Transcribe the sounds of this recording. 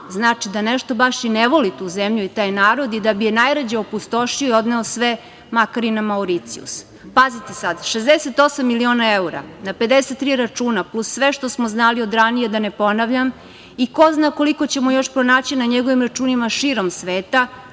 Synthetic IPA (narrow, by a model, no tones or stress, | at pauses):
znaːt͡ʃid̪aneʃt̪o̞baʃjineʋo̞lit̪uzemʎuit̪aːjnaːɾo̞d̪id̪abijenajɾad͡ʑaopust̪o̞ʃioio̞d̪neosʋe | makaɾinamauɾit̪siṵs | pazit̪esad̪ʃezd̪eset̪o̞samːilio̞ːnaeuɾa̰nape̞d̪eset̪ːɾiɾat͡ʂuːnaplˠusːʋeʃt̪o̞smoznalio̞d̪ɾanije̞d̪anepo̞naʋʎam | iko̞znako̞liko̞t͡ɕe̞mojo̞ʃpɾonaːt͡ɕinaɲeɡo̞ʋimɾat͡ʂuːnimaʃiɾomsʋeːt̪a